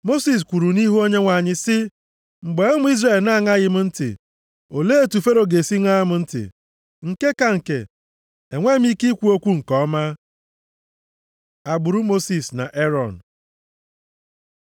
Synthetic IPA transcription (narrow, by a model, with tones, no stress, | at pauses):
mo˦si˨s̬kʷu˨ɾu˨ni˦ɦu˦o˦ɲe˦ŋʷa˨ɲɪ˦sɪ˦ | m̩˨ɡ͡be˨˦e˦mʊ˦i˦zre˨lna˦˨ŋa˦ɣɪ˨m̩˦n̩˦tɪ̰˨ | o˨le˦e˦tu˨fe˦ɾo˨ɡe˨si˦ŋa˦a˦mʊ˨n̩˦tɪ̰˨ | ŋ̩˨ke˦ka˨ŋ̩˨kḛ˨ | e˨ŋʷe˦m̩˦i˦ki˦kʷu˦o˦kʷu˦ŋ̩˨kɔ˦ma˦ | a˨ɡ͡bʊ˨ɾu˦mo˦si˨sna̰˨ʔe˦ɾɔ˨n˨